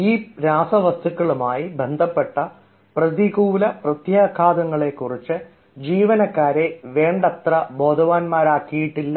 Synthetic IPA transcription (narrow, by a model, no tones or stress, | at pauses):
iːɾaːsɐʋɐst̪ukːɐɭumaːjibend̪ʱɐpːe̞ʈːɐ | prɐd̪iɣuːlɐprɐt̪jaːkʰaːd̪ɐŋːɐɭe̞kːurit͡ɕːɨ | d͡ʑiːʋɐnɐkːaːɾe̞ʋe̞ːɳɖɐt̪rɐbo̞ːd̪ʱɐʋaːnmaːɾaːkːijiʈːilːɐ